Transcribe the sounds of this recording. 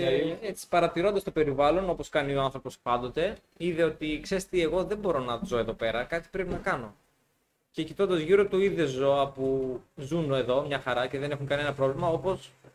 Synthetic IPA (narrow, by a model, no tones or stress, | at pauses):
et͡si̥pɐɾɐt̪iɾo̞nd̪ɐst̪o̞pe̞ɾivɐlo̞no̞po̞skɐnioɐnθɾo̞po̞spɐnd̪o̞t̪e̞ | iðe̞o̞t̪ikse̞ɾst̪ie̞ɣo̞ðe̞mbo̞ɾo̞nɐzoeðo̞pe̞ɾɐkɐt̪i̥pɾepinɐkɐno̞ | ce̞cit̪o̞nd̪ɐzʝiɾot̪uiðe̞zo̞ɐpuzunoe̞ðo̞mɲɐxɐɾɐce̞ðe̞ne̞xuŋkɐnie̞nɐpɾo̞vlimɐo̞po̞s